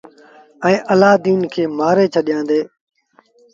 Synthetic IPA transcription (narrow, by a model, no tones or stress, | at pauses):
ə̃ːʔəlaːd̪iːnkʰeːmaːɾeːt͡ʃʰəɗɪjãːnd̪eː